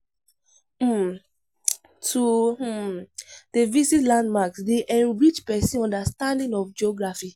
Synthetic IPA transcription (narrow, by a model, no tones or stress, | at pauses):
m | tu | d̥əvisitlãndmaksdeʔɛ̃nɹit͡ʃpɛsĩɔ̃ndastãndĩŋɔfd͡ʒɔɡɹafi